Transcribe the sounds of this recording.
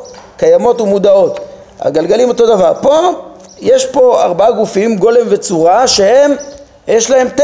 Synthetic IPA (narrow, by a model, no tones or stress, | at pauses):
kajamo̞tumud̪ao̞t | a̰ɡalɡalimoto̞d̪avaʁpo̞ | je̞ʃpo̞aʁbaaɡufimɡo̞le̞mve̞t͡suʁaʃehe̞m | jeʃlahe̞mt